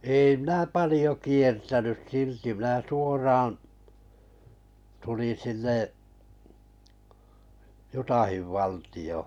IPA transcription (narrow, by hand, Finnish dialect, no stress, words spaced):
eˑi minæ pɑlĭjo kiertænys silti mĭnæ suorɑːɑ̃̆ tulin̞ sinːeʔ jutɑhiʋ ʋɑltij̆oˑ